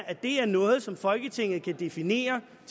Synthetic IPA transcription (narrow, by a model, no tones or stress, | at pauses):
æd̥e̝æɐnɔ̽ːð̞̩ˠsɒ̽mfɒ̽lɡ̥ət͡sʰe̝ŋ̰ð̩ˠkʰæd̥e̝fine̝̰ːɐ | t͡sʰ